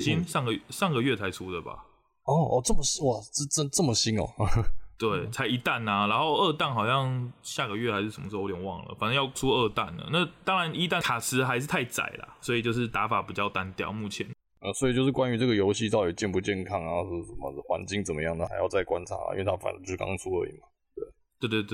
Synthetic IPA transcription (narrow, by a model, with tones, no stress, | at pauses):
ɕi˦˥nʂɑ˥˩ŋɡə˨˥˩ʂɑ˥˩ŋɡə˩ɥɛ˥˩t͡sʰa˧˥ɪʈ͡ʂʰu˥d̪ə˨ba̰˨˩ | ɔ˥˩ɔ̰˨˩t͡sə˥˩mə˨˩s̩˥˨˩t͡sə˥nt͡sə˥˩mə˩ɕi˥nɔ̰˨t̪we˥˩ɪt͡sʰa˧ɪi˧˥t̪a˥˩na˨na˧˥nxo˥˧ʊə˥˧t̪a˥˩nxɑ˨˩ʊɕjɑ˥˧ŋɕja˥˩ɡə˩ɥɛ˥˩a˧ɪʂɻ̩˥˩ʂə˨˩mə˦ʂ̩˥˧˥t̪jɛ˨˩nwɑ̰˥˩ŋlə̰˩fa˨˩na˥˧jɑ˥˩ʊʈ͡ʂʰu˦ə˥˧t̪a˥˩nə̰˩na˥˩t̪ɑ˥ŋɻa˧˦ni˥t̪a˥˨kʰa˨˩sɹ̩˧˥xa˧˥ɪʂ̬ɻ̩˥˩t̪ʰa˥˩ɪt͡sa̰˨˩ɪla̰˩swɔ˧˥i˨˩t͡ɕjo˥˧ʊʂ̬ɻ̩˥˩t̪a˧˥fa˨˩pi˨˩t͡ɕjɑ˥˩ʊt̪a˦nt̪jɑ̰˥˨˩ʊmu˥˩t͡ɕʰjɛ˧˦n | ə˥˧˩swi˨t͡ɕjo˥˧ʊʂɻ̩˥˩kwa˦ny˧˥ʈ͡ʂə˥˩ɡə˩jo˧˥ʊɕi˥˧t̪ɑ˥˩ʊi˨˩t͡ɕjɛ˥˧npu˧t͡ɕjɛ˥˩nkʰɑ˥ŋna˧˦o˥˧ʊ˥˩˥ʂə˨˩mə̰˨˦xwa̰˧˥nt͡ɕi˥ŋt͡sə˨˩mə̰˦jɑ˥˩ŋd̪ə˨˩xa˧˥ɪjɑ˥˧ʊt͡sa˥˩ɪkwa˦nt͡sʰa̰˧˥˨ʔḭ˦˥we˥˩a˥fa̰˨˩n˦t͡ɕo˥˧ʂɻ̩˥˩kɑ̰˥ŋt͡sʰu˥ə̰˥˧˩ḭ˨˩ma˩ | t̪we˥˩ɪ | t̪we˥˧t̪we˥˧˩t̪